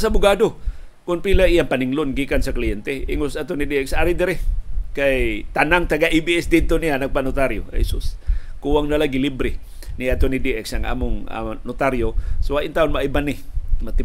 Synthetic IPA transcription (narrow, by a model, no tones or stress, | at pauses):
saabʊɡado | kʊnpilaʔijaŋpaniŋlʊnɡiːkansaklijɛnt̪ɛʔɪŋʊsat̪onidiɛksaɾɪd̪ɪɾɪkajt̪anaŋt̪aɡaʔibiɛsd̪ɪd̪̚t̪onijanaɡ̚panʊt̪aɾjo̰hḛsʊskuwaŋnalaɡilibɾɪ | niat̪onidiʔɛksaŋʔa̰ːmʊŋa̰nʊt̪aɾjosoaʔɪnt̪aʔʊnmaʔibanɪmat̪ɪ